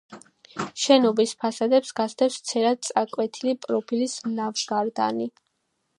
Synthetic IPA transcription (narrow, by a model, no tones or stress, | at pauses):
ʃɛnɔbispʰasad̪ɛpsɡast̪ʰɛpst̪sʰɛɾad̪̚t̪sʼakʼwɛt̪ʰilipʼɾɔpʰilisnavʃɡaɾd̪a̰ni